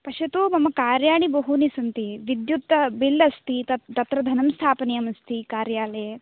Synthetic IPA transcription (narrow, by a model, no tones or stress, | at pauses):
pɐʃɐt̪umɐmɐkaːɾjaːɳibɐɦunisɐnt̪iʋid̪jut̪ːɐbilːɐst̪it̪ɐt̪ɐt̪ɾɐd̪ʱɐnɐmst̪ʰaːpɐnijɐmɐst̪ikaːɾjaːle